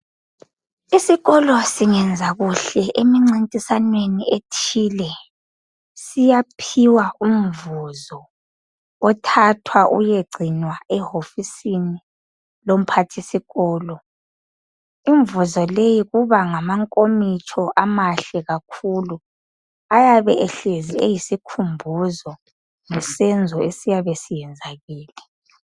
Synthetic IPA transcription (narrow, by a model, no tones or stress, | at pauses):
isiɣɔlɔsiŋɛnd͡zʱaɣuɬɛʔemiŋ͡ǀintʼisanwenietʰiːlɛ | sijapʰiwaum̩vuzɔ | ɔtʰatʰwaʔṵjeɡ͡ǀʱinwaɛhofisini | lom̩pʰatʰisiɣɔːlɔ | iɱvuzɔlejiɣuβaŋamaŋkʼomit͡ʃʰɔʔamaɬɛɣakʰulu | ajaβɛɛɬeziejisikʰumbʱuzɔ | ŋɛsɛnd͡zʱɔesijaβesijɛnd͡zʱaɣiːlɛ